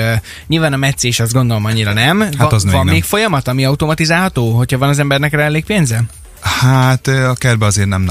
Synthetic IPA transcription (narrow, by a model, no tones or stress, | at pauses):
ɲiːlvaːnɒmɛt̪seːʃɒzd̪ɡo̞nd̪o̞lo̞mɒɲːiɾɒnɛmaɒzɒmːeːkfo̞jɒmɒt̪ɒmiɒut̪o̞mɒt̪izaːlɦɒt̪oːɦo̞chɒvɒnɒzɛmbɛrnɛkrɛɛlːeːk̚peːnzɛ | hat̪ːɒkɛrbɛɒzeːɾnɛmn